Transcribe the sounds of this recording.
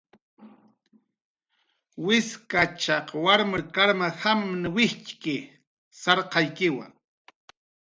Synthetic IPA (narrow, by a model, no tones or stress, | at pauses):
wɪskat͡ʃɑqwaɾmakaɾmahamnɪwɪht͡ʃkɪ | sɑɾqɑjkɪwa̰ŋ